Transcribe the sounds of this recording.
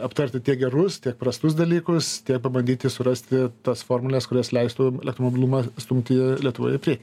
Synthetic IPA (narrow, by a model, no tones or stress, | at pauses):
ɐpt̪ɐɾʲt̪ʲɪt̪ʲiɛkɡʲɛrʊst̪ʲiɛk̚pɾɐst̪ʊsd̪ɐlʲiːkʊst̪ʲiɛk̚pɐbɐnd̪ʲiːt̪ʲɪsʊɾɐsʲt̪ʲɪt̪ɐsfoːrmʊlʲɛskʊɾʲoːslʲɛɪst̪uːɛlʲɛkt̪ɾomobʲɪlˠumɑst̪ʊmʲt̪ʲɪlʲiɛt̪ʊʋo̰ːjɪpʲɾʲiɛk